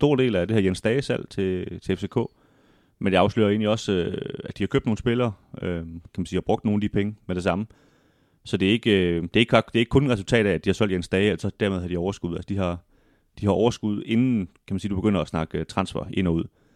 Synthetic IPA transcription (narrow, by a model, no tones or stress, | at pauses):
sd̥o̝ɐ̰d̥e̝̰ːlæd̥e̝hæɐjensd̥ɛːsæl̰t͡sʰe̝t͡sʰe̝efse̝ːkʰɔ̰̽ː | menjɑɑ̈ʊslø̰ːɐe̝̰ːnliɒ̽søæd̥ihɑ̈kʰø̰b̥̚no̝ːn̩sb̥e̝lɐːʔøkʰæmæn̩siːhɑ̈b̥ʁɔ̽ɡ̥d̥no̝ːnæd̥ipʰeŋəmed̥e̝sɑ̈mə | sɒ̽d̥e̝e̝ɡ̥ød̥e̝e̝ɡ̥ɑd̥e̝eɡ̥̚kʰɔ̽nenʁɛsult͡sʰɛ̰ːɾ̥æ̥d̥ihɑ̈sɒl̰djensd̥ɛːɪelɐsɒd̥æɐmeðˠhɑ̈d̥iɒʊɐsɡ̥uð̞ˠælsə̥d̥iɦɑ̈ | d̥ihɑ̈ɒʊɐsɡ̥uð̞ˠe̝nn̩kʰæmænsiːd̥ub̥e̝̥øn̰ɐɒsnɑ̈ɡ̥t͡sʰʁɑ̈nsfæɐʔe̝nɒ̽uð̰ˠ